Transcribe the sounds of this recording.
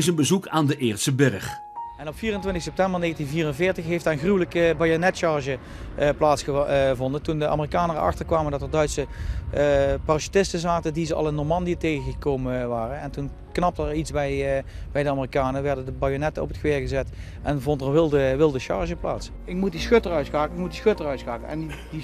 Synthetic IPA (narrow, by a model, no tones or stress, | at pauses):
ɪsənbəzukaːndəʔɪːɹtsəbɪrəχ | ɛnɔpfiːrəntʋɪntɪxsɛp̚tɛmbəɹneːɣatinviːrənvɪːɹtəxɦejftdaːənxrywələkəbajonɛtʃɑɹʒə | plaːtsxəvɔndəntundəa̰ːmərikaːnərɑ̰xtəɹkʋaːməndɑtəɹdœɥtsə | parʃi̥tɪstəzaːtədizəɑ̰lˠɪnːɔɹmɑndiətejɣəɣəkowməʋaːrənɛntun | knɑp̚tɛɹitsbɛjbɛjdəaːmərikaːnəʋɛɹdəndəbajonɛtəɔ̰pətxəʋɪːɹɣəzɛt | ʔɛnvɔntəʋɪlˠdəʋɪlˠdəʃɑ̰ɹʒəpla̰ːts | ɪkmut̚disxøtərœtsaːkəɪk̚mutdisxøtərœɥtsaːkəɛ̰ndi